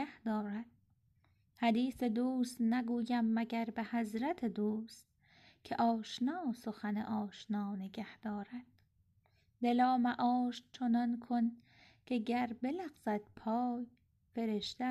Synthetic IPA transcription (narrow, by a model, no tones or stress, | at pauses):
æhd̪ɒːɾæd̪̥̚ | hæd̪iːse̞d̪uːst̪næɡuːjæmːæɟæɾbehæzɾæt̪ʰed̪uːst̪̚ | kʰeʔɒːʃnɒːso̞xænḛʔɒːʃnɒːneɡæhd̪̥ɒːɾæd̪̥ | d̪e̞lɒːmæʔɒːʃt͡ʃʰonɒnkʰon | kʰeɟæɾbe̞læɣz̥æd̪̥̚pʰɒːj | fe̞ɾeʃd̪e